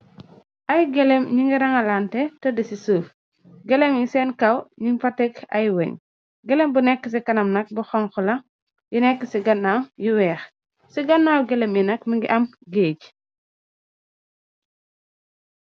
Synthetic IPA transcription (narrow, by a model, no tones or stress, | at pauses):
ʔɐjɡɛlɛmɲiŋɡiɾɐŋɐlaːntɛtɐdɐsisuːf | ɡɛlɛmjisɛːnkɐwɲiŋfɐtːɛkɐ̰jwɛ̰ɲ | ɡɛlembunɛkːəs̬ikɐnɐmnɐk̚buxɔŋxulɐ | jinɛkːəsiɡɐnːawjuwɛːx | siɡɐnːaːwɡɛlɛmjinɐkmiŋɡiʔɐm | ɡeːɟ